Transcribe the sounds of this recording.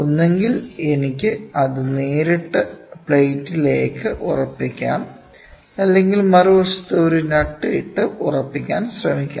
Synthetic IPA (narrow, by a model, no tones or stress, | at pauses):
onːe̞ŋɡile̞nikʲːɨɐðɨneːɾiʈːɨpɭejtːile̞ːkːɨʔurɐpːikʲːa̰ːn | ɐlːe̞ŋɡilmɐruʋɐʂɐ̥t̪ːeoɾunɐʈːɨiʈːɨʔurɐpːikʲːaːnsrɐmikʲːa̰